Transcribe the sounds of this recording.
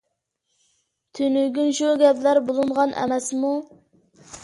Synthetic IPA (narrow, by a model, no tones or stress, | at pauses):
t̪ʰynyɡʲynʃuɡʲɛplæɾbolˠunʁɑnʔɛ̰mɛsmu